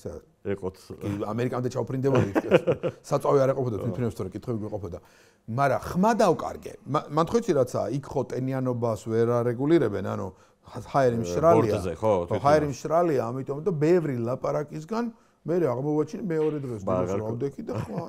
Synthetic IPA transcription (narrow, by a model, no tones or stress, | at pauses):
sɛ | ɛqʼɔɡia̰mɛɾikʼamd̪ɛt͡ʃʰaupʰɾind̪ɛbuiɛsat̪sʼaviaɾɛqʼɔpʰɔd̪at̪ʰit̪ʰinɛpst̪ʰɔɾɛkʼit̪ʰwɛbiɡwiqʼɔpʰɔd̪a | maɾa̰χmad̪avkʼa̰ɾɡɛ̰mamant̪χwɛt̪sʰiɾat̪sʰa̰ikʰχɔt̪ʼɛnianɔbasvɛɾaɾɛɡuliɾɛbɛna̰nṵ | haɛɾimʃɾalɾiazɛhaɛɾimʃɾaliaːmit̪ʼɔmd̪abɛvɾilˠapʼaɾakʼis̬ɡan | mɛɾɛaʁmɔvat͡ʃʰnimɛɔɾɛd̪ʁɛsd̪ɔsɾavd̪ɛkʰid̪aχma